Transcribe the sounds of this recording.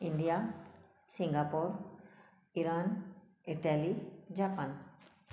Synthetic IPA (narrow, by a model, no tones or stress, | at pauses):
inɖija | sĩŋɡapoɾ | iɾan | iʈalid͡ʒapan